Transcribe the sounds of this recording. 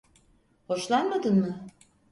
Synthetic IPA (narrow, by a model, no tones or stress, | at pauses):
ho̞ʃlˠanmad̪ɯnmɯ